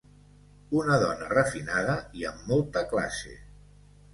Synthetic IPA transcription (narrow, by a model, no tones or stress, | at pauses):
unəðɔnərəfinaðəiəmːɔlˠt̪əkla̰sḛ